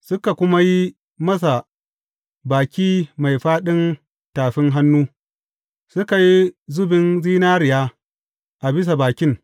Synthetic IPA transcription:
sʊ˦ka˨kʷʊ˦ma˦ji˦ | mɐ˦s̬a˨ | baː˨kʲiː˦ma˨jɸaː˦ɗɪ˦n | taː˨ɸɪ˦ŋɦa˦nːuː˦ | sʊ˦ka˨ji˦zʊ˦bɪ˦nziː˦naː˦ɾɪ˨jaː˦ | ʔa˨bɪ˦s̬a˨baː˨kʲɪ˦ŋ

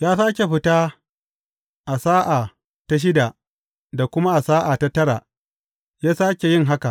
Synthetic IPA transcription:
jaː˦saː˦kʲe˨ɸɪ˦ta˦ | ʔa˨saː˦ʔaː˨ | ta˦ʃ̬ɪ˦da˨ | da˨kʷʊ˦ma˦ʔa˨saː˦ʔa˨ta˦tɐ˦ɾa̰˨ | jaː˦saː˦kʲe˨jɪ˦˨ŋɦa˦ka̰˨ʔ

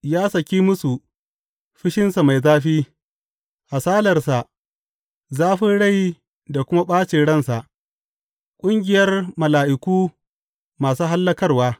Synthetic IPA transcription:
jaː˦sɐ˨kʲiː˦mʊ˦su˨ | ɸɪ˦ʃɪ˦nsa˨ma˨jzaː˦ɸiː˦ | ha˨saː˦lɐ˨rsa˨ʔ | zaː˦ɸɪ˦ɽa˦˨j | da˨kʷʊ˦ma˦ɓaː˦t͡ʃeː˨ɽɐ˦˨nsa˨ʔ | kʷʼʊ˦ŋɡʲɪ˨jɐ˦rmɐ˨laː˨ʔɪ˨kʷuː˦ | maː˨suː˦ɦa˦lːɐ˦kɐ˦rwaː˦

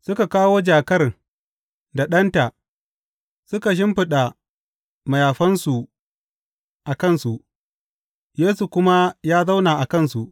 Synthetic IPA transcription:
sʊ˦ka˨kaː˦woː˦d͡ʒaː˨kɐ˦r | da˨ɗɐ˦nta˨ | sʊ˦ka˨ʃ̬ɪ˦mɸɪ˨ɗa˨ | ma˨jaː˨ɸɐ˦nsu˨ | ʔa˨kɐ˦˨nsu˨ʔ | jeː˦su˨kʷʊ˦ma˦jaː˦za˦wnaː˨ʔa˨kɐ˦˨nsu˨ʔ

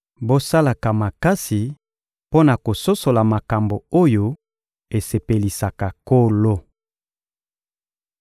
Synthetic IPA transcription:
bo˦sa˦la˨ka˨ma˨ka˦si˨ | po˦na˨ko˨so˦so˨la˨ma˨ka˨mbo˨o˦jo˦ | e˨se˨pe˨li˨sa˨ka˨ko˦lo˦

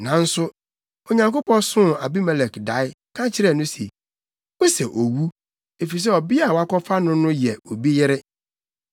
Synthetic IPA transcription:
nã˨n̩˦sʊ˦ | ɔ˨ɲã˨ŋko˦pɔ̃˦n˦sʊ̃˦a̰˨bi˦mɛ˨lɛ˨kda˨˦ɪ˦ | kʰã˦t͡ɕʰɪ˦ɾɛ˦˨nʊ̃˦sḭ˨ | wo˦sɛ˨ʔo˨wu˦ | e˨fi˨i˨s̬ɛ˦ɔ˨bɪ˦a˨wa˦kʰɔ˦fa˦nʊ̃˦nʊ̃˦jɛ˨o˨bi˦jɪ˦ɾɪ˦

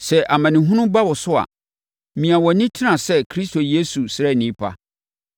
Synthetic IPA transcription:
sɛ˦ʔa˨mã˨nɪ̃˨ɦʊ̃˦nʊ̃˦ba˦wɔ˨sʊ˦a̰˨ | mĩ˨a˨wɔ˨nĩ˦tʰɪ˦nã˨sɛ˦kʰɾi˦sto˨je˦su˨sɛ˦˨nĩ˨˦pʰa̰˦

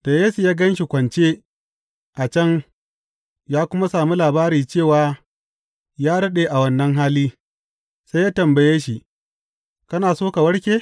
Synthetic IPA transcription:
da˨jeː˦su˨jaː˦ɡɐ˦nʃi˨kʷɐ˨nt͡ʃe˦ | ʔa˨t͡ʃɐ˦ŋ | jaː˦kʷʊ˦ma˦saː˨mu˦laː˨baː˦ɾiː˨t͡ʃeː˦˨waː˨˦ | jaː˦ɽɐ˦ɗeː˨ʔa˨wɐ˦nːɐ˦ŋɦaː˦liː˦ | sa˦jaː˦tɐ˨mbɐ˨jeː˦ʃi˨ | kɐ˦naː˨soː˦ka˨wɐ˦ɽkʲeː˦

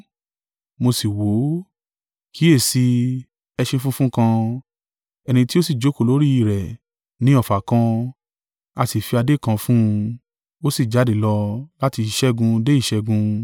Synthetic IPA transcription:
mo˧si˨wo˨˦ | kʰi˨˦e˦˨si˧ | ɛ˧ʃẽ˧fũ˦fũ˦kã˧ | ɛ˧nĩ˧ti˦o˦si˦˨d͡ʒo˨˦ko˨lo˦ɾi˦i˦˨ɾɛ˨ | nĩ˨˦ɔ˦˨fa˨kã˧ | a˧ti˨fi˧a˧de˦kã˧fũ˦ũ˧ | o˦si˦˨d͡ʒa˨˦de˨lɔ˧la˦ti˧i˨ʃɛ˦ɡũ˧de˦i˦˨ʃɛ˧ɡũ˧

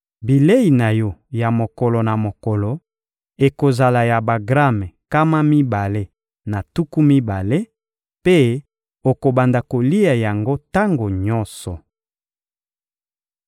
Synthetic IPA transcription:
bi˨le˦i˨na˨jɔ˦ja˨mo˨kɔ˨lɔ˨na˨mo˨kɔ˨lɔ˨ | e˨ko˨za˨la˨ja˨ba˨ɡʁa˦mɛ˨ka˦ma˦mi˦ba˨le˦ | na˨tu˦ku˦mi˦ba˨le˦ | pe˦ | o˨ko˨ba˨nda˨ko˨li˦ja˨ja˨ŋɡo˦ta˦ŋɡo˨ɲɔ˦sɔ˨

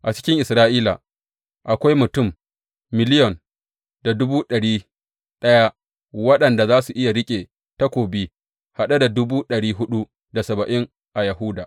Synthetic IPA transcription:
ʔa˨t͡ʃɪ̥˦kʲɪ˦ŋʔɪ˨sɾaː˦ʔiː˦la̰˨ | ʔa˨kʷa˦jmʊ˨tʊ˦˨mː | ɪ˨lɪ˦jɔ˨n | d̥a˨dʊ˦buː˦ɗɐ˨ɽiː˦ | ɗɐ˦ja˦ | wɐ˦ɗɐ˨nda˨zaː˦su˨ʔɪ˦ja˨ɽɪ˦kʲʼeː˨ | ta˦kʷoː˨bi˦ | ha˨ɗa˦da˨dʊ˦buː˦ɗɐ˨ɽiː˦ɦʊ˦ɗu˦ | da˨sɐ˨bɐ˨ʔɪ˦ŋ | ʔa˨ja˨ɦʊː˦daː˨ʔ

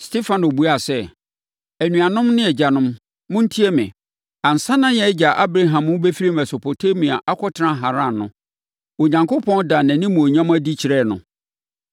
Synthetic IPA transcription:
stʰe˦fã˨no˨bu˨˦a˦˨sɛ˦ | æ˨nũ˨a˨nʊ̃˦mnɪ̃˦ɛ˨d͡ʑa˨nʊ̃˦m | mʊ̃˦n̩˦tʰi˦ɛ˦mɪ̰̃˨ | ã˨n̩˨sã˦nã˦jɛ˨˦d͡ʑa˨ʔa˦bɾa˦ɦã˨mʊ̃˦be˦fi˦ɾi˦mɛ˨so˨pʰo˨tʰe˦mĩ˨a̰˨ʔa˦kʰɔ˦tʰnã˦ɦa˨ɾã˦˨nnʊ̰̃˦ | o˨ɲã˨ŋkʰo˦pʰɔ̃˦nda˨næ̃˨nɪ̃˦mũ˨o˨ɲã˦m˦æ˦di˦t͡ɕʰɪ˨ɾɛ˦˨nʊ̰̃˨

